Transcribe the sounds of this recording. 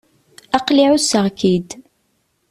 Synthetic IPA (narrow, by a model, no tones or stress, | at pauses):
ɑqliʕusːəʁkid̪